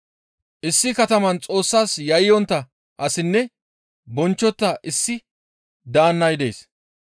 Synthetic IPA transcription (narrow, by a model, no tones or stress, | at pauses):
ʔɪsːɪkɐt̪ɐmɐnt͡sʼo̞ːsːaːsjɐjɪjɔnt̪ːɐ | ʔɐsɪnːɛ | bɔnt͡ʃːɔt̪ːɐʔɪsːɪ | d̪aːnːɐjd̪e̞̰ːs